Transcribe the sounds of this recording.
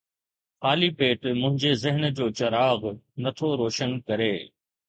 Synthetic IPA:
xaːlipeːʈmʊ̃ɦɪ̃ɲd͡ʑezɪɦənd͡ʑoːt͡ɕɐɾaːɣnɐt̪ʰoɾoːʃənkɐɾeː

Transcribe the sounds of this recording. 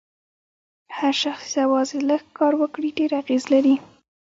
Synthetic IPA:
haɾʃaxsawɑzɪləɡkːɑɾwəkɽiɖeɾaɣezlaɾi

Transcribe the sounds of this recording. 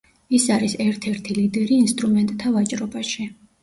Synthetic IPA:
isaɾisɛɾt̪ʰɛɾt̪ʰilid̪ɛɾiːnst̪ʼɾumɛnt̪ʼt̪ʰavat͡ʃʼɾɔbaʃi

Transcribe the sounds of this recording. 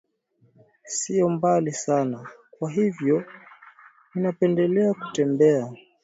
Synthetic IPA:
sijɔmbalisanakwaɦivjɔ | ninapɛndɛlɛaku̥tɛmbɛa

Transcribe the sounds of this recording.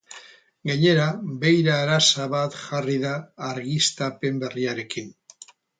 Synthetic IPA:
ɡaɲe̞ɾabe̞jɾaːɾasaβat̪ʝariðaːɾɣist̪ape̞mbe̞riaɾe̞kin

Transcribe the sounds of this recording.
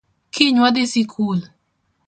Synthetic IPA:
kʰiɲwɔd̪ɪsikʰul

